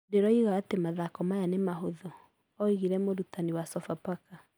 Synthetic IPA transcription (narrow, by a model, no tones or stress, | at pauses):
deɾɔiɣaːtemaðakɔmajanemaɦoðɔː | iɣiɾɛmoɾutaniwasɔfapaka